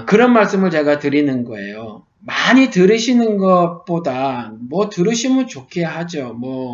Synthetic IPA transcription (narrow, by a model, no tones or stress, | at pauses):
kɯɾʌnmaɭs͈ɯmɯɭt͡ɕe̞ɡatɯɾinɯnɡʌe̞̰jo | maɲitɯɾɯɕʰinɯnɡʌp͈odanmwʌtɯɾɯɕʰimɯnt͡ɕokʰejaɦad͡ʑomwʌ